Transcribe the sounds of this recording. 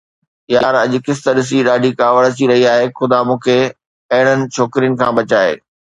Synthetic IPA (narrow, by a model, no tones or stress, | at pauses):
jaːɾɐʄʊkɪst̪əɗɪs̬iɗaːɖʱikaːʋəɽət͡ɕiɾɐɦiaːɦexʊd̪amũːkʰe | ɐɦɪɽ̃ənɪ̆t͡ɕʰoːkɾijənɪ̆kʰãːɓɐt͡ɕaːɦḛː